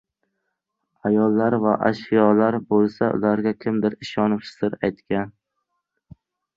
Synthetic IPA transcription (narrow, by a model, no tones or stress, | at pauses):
ajɒlːaɾvaʔa̰ʃɪjɒlaɾbolˠsaʊ̰laɾɡʲakʲʰɪmd̪ɪɾɪʃɒnɪpsɪ̥zd̪ɪɾajt̪kʲan